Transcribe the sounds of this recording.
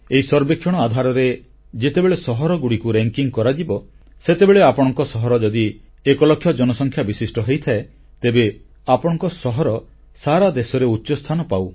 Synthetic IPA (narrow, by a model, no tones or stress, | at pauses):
eisɔɾbekʰjɔɽ̃ɔad̪ʱaɾɔɾe | d͡ʒet̪ebeɭesɔɦɔɾɔɡuɽikuɾeŋkiŋkɔɾad͡ʒibɔ | set̪ebeɭeapɔɽ̃ɔŋkɔsɔɦɔɾɔd͡ʒɔd̪i | ekɔlɔkʰːjɔd͡ʒɔnɔsɔŋkʰjabisisʈɔɦejt̪ʰae | t̪ebe | apɔɽ̃ɔŋkɔsɔɦɔɾɔ | saɾad̪esɔɾeutːt͡ʃɔst̪ʰanɔpaw